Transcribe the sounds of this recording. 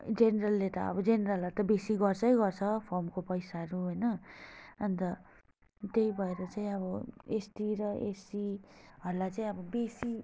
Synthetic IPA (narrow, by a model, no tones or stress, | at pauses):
d͡zeneɾʌlːet̪ʌ̰ʌ̰bʌd͡zeneɾʌlɦʌɾt̪ʌbesiɡʌrt͡sʰʌjɡʌrt͡sʰʌpʰʌrmkopʌjsaʌɾuɦojnʌː | nt̪ʌ | t̪eibʱʌeɾʌt͡saĩʌβʌesʈiɾʌʔesiɦʌɾulat͡saĩʌbʌbesi